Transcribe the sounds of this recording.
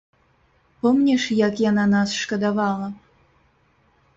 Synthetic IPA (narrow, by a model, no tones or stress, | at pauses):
pɔmnʲɛʂjakjananasʂkɐd̪avɑlˠɐ